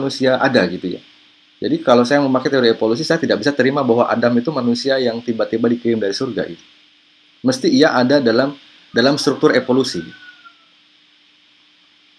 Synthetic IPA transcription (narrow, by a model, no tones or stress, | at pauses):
nusiaʔadaɡit̪uja̰ | d͡ʒadikalawsajaməmaket̪eoɾiepolus̬isajat̪idak̚bisat̪əɾimabaɦwaʔa̰damit̪umanusiajaŋt̪ibat̪ibadikɾɪmdaɾisurɡa̰ʔḭt̪u̥ | məst̪iiaʔadadalam | dalamst̪ɾuk̚t̪ʊrevolusiɡit̪u